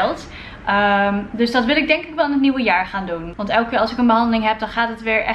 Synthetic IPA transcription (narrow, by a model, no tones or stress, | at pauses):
lˠt | ədøsdɑtʋɪlˠɪɡ̚dɛŋkɪkʋɛlˠanətniwəjaːɹχaːndunʋɑntɛlˠkɪːɹɑlˠsɪkənbəɦɑndəlɪŋɦɛp̚dɑnχaːtətʋɪːɹʔɛ̰